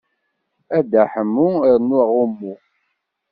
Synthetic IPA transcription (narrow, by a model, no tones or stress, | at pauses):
æd̪aħəmːuɾnuʁumːu